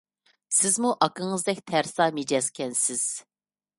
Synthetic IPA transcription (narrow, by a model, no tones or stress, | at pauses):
sɪzmuʔɑkʰəŋɨzd̪ɛkʲt̪ʰæɾsɑːmed͡ʒɛskʲɛnsɪz̥